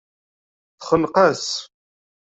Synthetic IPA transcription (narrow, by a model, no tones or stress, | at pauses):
θχəlqæs